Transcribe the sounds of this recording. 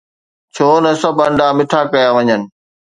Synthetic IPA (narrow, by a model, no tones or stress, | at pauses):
t͡ɕʰoːnɐsɐbʱɐ̃ɳɖamɪʈʰakɐjaʋɐɲənɪ̆